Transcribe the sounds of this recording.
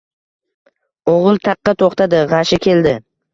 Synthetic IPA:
oʁʊlˠt̪ʰɑqːɑt̪ʰoχt̪ʰad̪ɪʁɑʃɪkʲʰe̞ld̪ɪ

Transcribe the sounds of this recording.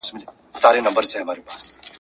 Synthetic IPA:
smili | saɾenɐmbəɾt͡sʰeɦɐmaːɾepaːs

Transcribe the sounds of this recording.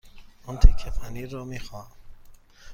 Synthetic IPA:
unt̪ʰekʰːefaniːɾɔːmiːxɒː

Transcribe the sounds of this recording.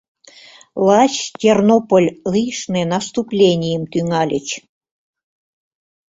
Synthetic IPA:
lˠɑt͡ɕtʲernopolʲlˠɨjʂnenɑst̪uplʲenʲijəmt̪yŋɑlʲət͡ɕ

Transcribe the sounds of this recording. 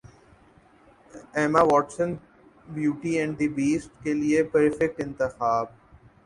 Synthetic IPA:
ɛːmaʋɔːʈsə̃n | bjuːʈiɛ̃ɳɖɖ̪ibiːsʈ̚keliepɐɾfek̚ʈɪ̃nt̪ɪxaːb

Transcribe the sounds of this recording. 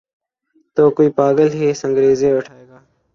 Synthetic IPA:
t̪oːkuiːpaːɡəlɦeːsə̃ŋɡɾeːzeːʋəʈʰaːeːɡaː

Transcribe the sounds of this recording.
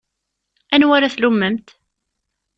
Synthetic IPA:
ænwæɾaθlumːəmt̪

